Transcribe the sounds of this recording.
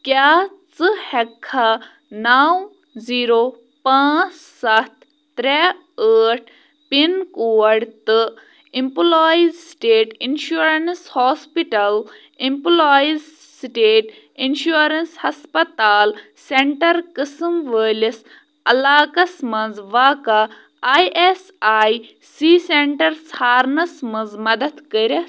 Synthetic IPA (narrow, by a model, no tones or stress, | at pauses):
kʲaː | t͡sɨhɛkʰːa | naːw | ziːɾoː | pãːt͡s | sɐt̪̚ʰː | ɾɛː | əːʈʰ | pinkuːɐɽt̪ɨ | imploːizsʈeːʈinʃuɾɐnshoːspiʈɐl | imploːiz | sʈeːʈ | inʃuːɾɐnshɐspɐt̪aːl | seɳʈɐɾkɨsɨmʋəːlʲis | ɐlaːkɐsmɐnd͡zʋaːkɐ | aːjʔes | aːj | siːseɳʈɐɾshaːɾnɐsmɐnzmɐd̪ɐd̪kəɾʲɐ